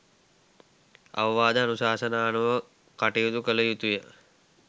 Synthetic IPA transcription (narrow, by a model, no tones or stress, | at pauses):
ɐ̰ʋɐʋaːd̪əanusaːsənaːnuʋə | kaʈijut̪ukələjut̪ujə